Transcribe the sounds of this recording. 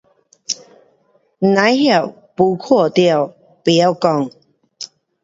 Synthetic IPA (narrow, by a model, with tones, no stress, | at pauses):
nã˨˧˦jhja˥˧˨ | pu˧˦kʰɔ˥˧˨t̪ja˥˧˨w | pi˨a˦kɔ˥˧ŋ